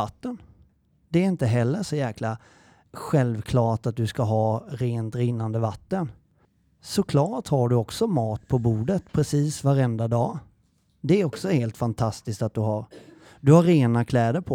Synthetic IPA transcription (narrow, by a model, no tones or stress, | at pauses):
at̪ːən | d̪ɛæɾɪnt̪əɦɛlːəʂɔjæːkʰla | ɧɛlvkʰlɑːʈat̪̚d̪ɵskaɦɑːɾeːnt̪ɾɪnːand̪əvat̪ːən | sɔkʰlɑːʈhaɖɵɔksɔmɑːt̪pʰɔbuːɖət̪pʰɾɛsiːsvaɾɛnd̪ad̪ɑː | d̪ɛæɾɔksɔheːlt̪fant̪ʰast̪ɪskt̪at̪̚d̪ɵɦaɾ | d̪ɵhaɾːeːnakʰlɛːd̪əɾpʰɔ